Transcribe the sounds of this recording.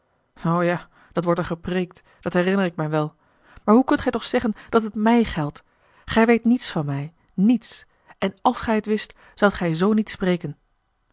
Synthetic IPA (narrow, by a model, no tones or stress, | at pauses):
owjaː | d̥ɑtʋɔɹtəɹχəprejk̚t | d̥ɑtɦɛrɪnəɹɪkmɛjʋɛlˠ | maːɹɦukɵntχɛjtɔχsɛχənd̥ɑtɦətmɛjχɛlˠt | χɛjʋejtnitsfɑnmɛj | nits | ɛnɑlˠsχɛjətʋɪst | z̥ʌwtχɛjzownitsprejkən